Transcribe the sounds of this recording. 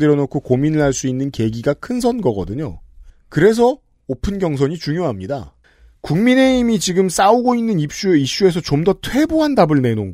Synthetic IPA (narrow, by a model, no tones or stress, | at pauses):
deɾjʌnokʰokominɯɭɦaɭs͈uinːɯnke̞ɡiɡakʰɯnsʰʌnɡʌɡʌdɯɲo̰kɯɾe̞s̬ʰʌ | opʰɯnɡjʌŋsʰʌɲit͡ɕuŋjoɦamɲida̰ | kuŋmine̞imit͡ɕiɡɯms͈auɡoinːɯnip̚ɕ͈ueiɕ͈ue̞s̬ʰʌt͡ɕomdʌtʰwe̞boɦandabɯɭne̞noŋ